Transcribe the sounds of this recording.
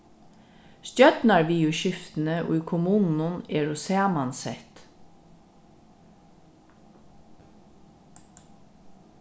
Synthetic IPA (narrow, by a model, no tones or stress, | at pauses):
st̪jœt̪nɑɹʋiːʉʃʏft̪n̩əʔo̰ːiːkʰʊmuːnn̩ʊneːɹʊseːɑmɑnsɛt̪